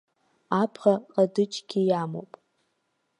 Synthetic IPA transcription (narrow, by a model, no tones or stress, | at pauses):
apʰχaqʼadɨt͡ʃʼɡ̥ʲijamo̰wpʼ